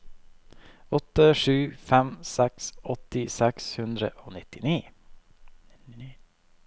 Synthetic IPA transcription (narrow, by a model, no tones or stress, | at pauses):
ɔt̪ːəʂʉːfɛmsɛksɔt̪ɪsɛkshʉnd̪ɾəʔoːnɪt̪ɪniː